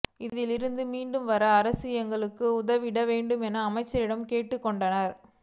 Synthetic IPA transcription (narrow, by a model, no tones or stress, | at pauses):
ɪðɪlɪɾɯnd̪ɯmiːɳɖɯmʋɐɾɐːɾɐsɪjɐŋɡɐɭɯkːɯʊðɐʋɪɽɐʋeːɳɖɯmɛnɐːmɐɪt͡ʃːɐɾɪɽɐmkeːʈːɯkːɔɳɖɐnɐɾ